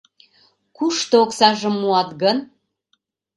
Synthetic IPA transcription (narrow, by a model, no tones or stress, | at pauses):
kuʃt̪ooksɑʒə̆mːuɑt̪ɣən